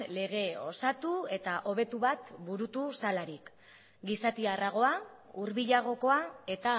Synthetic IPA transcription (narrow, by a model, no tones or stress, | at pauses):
le̞ɣ̞e̞o̞sat̪ue̞t̪aʔo̞βe̞t̪uβat̪buɾut̪usalaɾik | ɡisat̪iaraɣ̞o̞a | uɾβiʎaɣ̞o̞ko̞ae̞t̪a